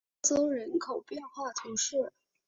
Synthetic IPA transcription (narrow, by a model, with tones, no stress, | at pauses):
t͡so˥ɻə˧˥nkʰo˨˩ʊpjɛ˥˧nxwa˥˩t̪ʰʊ˧˥ŋʂɻ̩˥˩